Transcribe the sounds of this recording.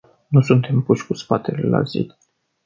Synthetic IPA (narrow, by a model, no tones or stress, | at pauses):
nusunt̪e̞mpuʃʲkuspat̪elḛla̰zḭ